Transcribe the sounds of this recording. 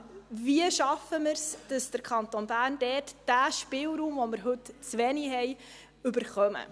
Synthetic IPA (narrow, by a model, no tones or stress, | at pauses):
viəʃɑfəməɾsd̥ɑsd̥əɾkʰɑnt̪onbæːrnd̥ɛtd̥æːʃpɪːlɾuːmvoməɾɦɵtt͡sʋɛniɦɛj | ʉbəɾχœmə̰